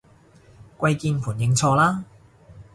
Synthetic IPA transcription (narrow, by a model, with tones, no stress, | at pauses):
kʷɐ˧jkiː˧npʰuː˨˩njɪ˧ŋt͡sʰɔː˧laː˥